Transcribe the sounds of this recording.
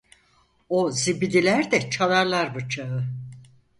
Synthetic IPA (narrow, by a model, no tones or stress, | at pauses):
ozibid̪ilʲæɾd̪ɛt͡ʃʰalˠaɾlˠaɾbɯt͡ʃʰaɯ